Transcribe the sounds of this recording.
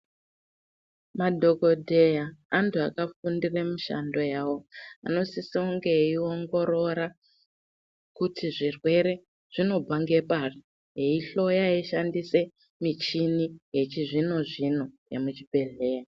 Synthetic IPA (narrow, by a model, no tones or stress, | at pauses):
madʱo̞ko̞dʱejaːntuakafundiremiʃa̰ndo̞jaːwo̞a̰no̞sisiuŋɡe̞io̞ŋɡo̞ɾo̞ɾa | kutʰiʐirwe̞ɾe̞ | ʐ̥ino̞b͡vaŋɡe̞pari | ɦeiɬo̞jaeʃandise̞ | mit͡ʃiniɦe̞t͡ʃiʐino̞ʐino̞jḛmut͡ʃibʱe̞ɮe̞ːja